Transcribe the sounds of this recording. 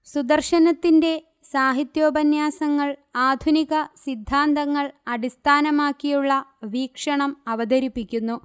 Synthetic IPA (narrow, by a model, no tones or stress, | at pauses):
sud̪ɐrʂɐnɐt̪ːinde̞ | saːɦit̪jo̞ːbɐnjaːsɐŋːɐɭaːd̪ʱuniɣɐsid̪ʱːaːnt̪ɐŋːɐɭɐɽist̪ʰaːnɐmaːkːijuɭːɐʋiːkʂɐɳɐmɐʋɐd̪ɐɾipːikʲːunːu